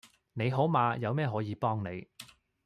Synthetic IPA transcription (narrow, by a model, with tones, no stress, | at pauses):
ne˨˧jɦoː˨˥wmaː˨˧jɐ˨˧wmɛː˥˧ɦɔː˨˥jiː˨˧pɔː˥ŋne˨˧j